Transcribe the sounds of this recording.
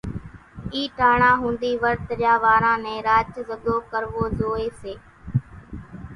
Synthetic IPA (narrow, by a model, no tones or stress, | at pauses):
iːʈaːɳãːɦũːnd̪iːʋəɾt̪əɾjaːʋaːɾãːnẽːɾaːt͡ʃzəd̪oːkəɾʋoːzoːeːseː